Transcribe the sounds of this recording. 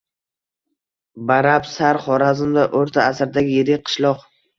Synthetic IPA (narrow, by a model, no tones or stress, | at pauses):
baɾapsaɾχɒɾazɪmd̪aʔoɾt̪ʰaːsɾd̪aɡʲɪjeɾɪqʰɨ̥ʃlˠɒq